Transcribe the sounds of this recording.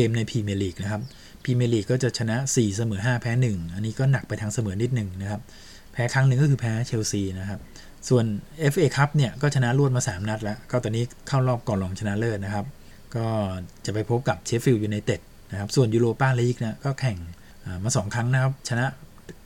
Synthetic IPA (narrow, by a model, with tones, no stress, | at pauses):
keː˧mna˧jpʰiː˧meː˧liː˨˩k̚na˦˥kʰa˦˥p̚ | pʰiː˧meː˧liː˨˩kːɔː˥˩t͡ɕa˨˩t͡ɕʰa˧na˦˥siː˨˩sa˧mɤː˩˦ɦaː˥˩pʰɛː˦˥nɯ˨˩ŋʔa˧nːiː˦˥kɔː˥˩na˨˩k̚pa˧jt̪ʰa˧ŋsa˧mɤː˩˦ni˦˥t̪̚nɯ˨˩ŋna˦˥kʰa˦˥p̚ | pʰːɛː˦˥kʰɾa˦˥ŋnɯ˧ŋkɔː˥˩kʰɯː˧pʰɛː˦˥t͡ɕʰe˧wsiː˧na˦˥kʰa˦˥p̚ | su˨˩ənʔe˦˥fʰʔeː˧kʰa˦˥p̚ni˥˩ɐkɔː˥˩t͡ɕʰa˧na˦˥ʔlu˥˩ət̪̚maː˧saː˩˦mna˦˥t̪̚lɛ˦˥kɔː˥˩t̪ɔː˧niː˦˥kʰa˥˩wlɔː˥˩p̚kɔː˨˩lɔː˧ŋt͡ɕʰa˧na˦˥ʔlɤː˥˩t̪̚na˦kʰa˦˥p̚ | kɔː˥˩t͡ɕa˨˩pa˧jpʰo˦˥p̚ka˨˩p̚t͡ɕʰe˦˥fi˧wjuː˨˩na˧jt̪e˨˩t̪̚ | na˦˥kʰa˦˥p̚su˨˩ənjuː˧ɾoː˧paː˥˩lɛː˦˧˥li˦˥k̚na˦˥kɔː˥˩kʰɛ˨˩ŋ | ʔaː˨˩maː˧sɔː˩˦ŋkʰɾa˦˥ŋna˦˥kʰa˦˥p̚t͡ɕʰa˧na˦˥ʔ